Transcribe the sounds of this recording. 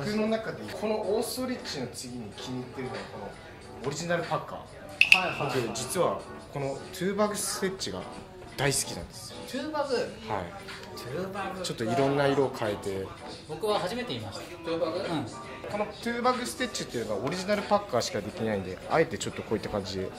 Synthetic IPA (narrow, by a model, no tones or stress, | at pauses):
ɯ̟no̞nakad̪e̞kʰo̞no̞ʔoːso̞ɾʲit͡ɕːino̞t͡sɨɡʲiɲ̟ikʲʰiɲ̟it̪ːe̞ɾɯ̟noβako̞no̞ | oɾʲiʑinaɾɯ̟pakːa̰ː | at̪ed͡ʑit͡sɨβa | ko̞no̞t̪ʰɨːbaɡɯ̟sɨ̥e̞tt͡ɕːiɡa̰ | d̪̥aisɨ̥kʲinã̰nd̪e̞sɨ̥tɯːbaɡɯhai | bat͡ɕo̞t̪ːo̞iɾõ̞nːaiɾo̞ːkʰae̞t̪e̞ | bo̞kɯ̟βaɦaʑime̞t̪e̞imast̪ḁt̪ɯːbaɡɯ | ko̞no̞t̪ɯːbaɡɯ̟sɨ̥t̪e̞tt͡ɕːi̥t̪ːeɯ̟noao̞ɾʲiʑinaɾɯ̟pakːaːɕi̥kad̪e̞kʲinaĩnd̪e̞ae̞t̪e̞t͡ɕo̞t̪ːo̞ko̞ːit̪ːakãɲ̟d͡ʑid̪e